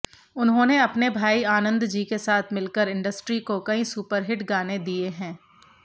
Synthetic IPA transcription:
ʊnɦõːneɐpnebʱaːiaːnə̃nd̪d͡ʒiːkesaːt̪ʰmɪlkəɾɪ̃ɳɖəsʈɾikokɐĩsuːpəɾɦɪʈɡaːned̪ieɦɛ̃ː

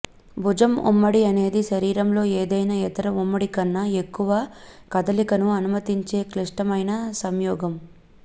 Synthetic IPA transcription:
bʱud͡ʒɐmṵmːɐɽiɐne̞ːd̪iʃɐɾiːɾɐmlo̞ːeːd̪ɐjnɐɛt̪ɐɾɐumːɐɽikɐnːɐe̞kːuʋɐkɐd̪ɐlikɐnuɐnumɐt̪iɲt͡ʃe̞ːkliʂʈɐmɐjnɐsɐmjɔːɡɐm

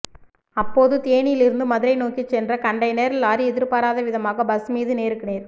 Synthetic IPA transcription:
ɐpːoːðɯt̪eːnɪjɪlɪɾɯnd̪ɯmɐðɯɾɐɪnoːkit͡ʃːɛndrɐkɐɳɖɐɪneːɾɪlaːɾiɛðɪɾpaːɾaːðɐʋɪðɐmaːɣɐbɐsmiːðɯneːɾɯkːɯniːɾ

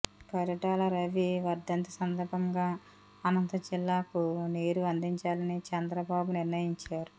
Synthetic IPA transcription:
kɐɾuʈaːlɐɾɐʋiʋɐɾd̪ɐnt̪ɐsɐnd̪ɐɾbʱɐŋɡaː | ɐnɐnt̪ɐd͡ʒilːaːkuneːɾuɐnd̪iɲt͡ʃaːlɐnit͡ʃɛnd̪ɾɐbaːbuniɾnɐjiɲt͡ʃaːɾu

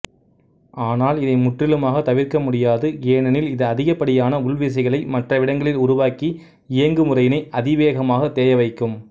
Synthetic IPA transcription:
ʔaːnaːlɪðɐɪmʊʈrɪlɯmaːɣɐt̪ːɐʋɪɾkɐmʊɽɪjaːðɯjeːnɐnɪlɪðɐːðɪɣɐpːɐɽɪjaːnɐʊɭʋɪs̬ɐɪɣɐɭɐɪmɐʈrɐʋɪɽɐŋɡɐɭɪlʊɾʊʋaːki | ɪjɐŋɡɯmʊrɐjɪnɐɪʔɐðɪʋeːɣɐmaːɣɐt̪ːeːjɐʋɐɪkːɯm

